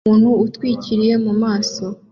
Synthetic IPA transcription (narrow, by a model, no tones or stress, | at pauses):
uːnhuːtwiːciɾije̞mumaːso̞